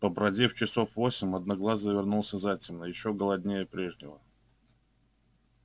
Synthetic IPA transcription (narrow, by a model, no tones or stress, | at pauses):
pəbɾɐdʲeft͡ɕɪso̞fvo̞sʲɪmʲɐd̪naɡlˠazəvʲɪrnulˠsʲəzatʲɪmnəjɪɕːo̞ɡəlˠɐdʲnʲejəpɾʲe̞ʐnʲɪvə